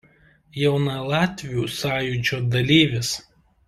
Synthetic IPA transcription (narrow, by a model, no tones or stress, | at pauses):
jɛʊnɐlˠɑːt̪ʲʋʲijuːsɑːjud͡ʒʲoːd̪ɐlʲiːʋʲɪs